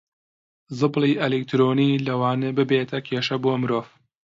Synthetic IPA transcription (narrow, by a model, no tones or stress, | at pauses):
zɨbliːʔelekt̪ɾoːniːlɐwaːnɐbɨbeːt̪ʰɐkʰeːʃɐboːɐmɾoːv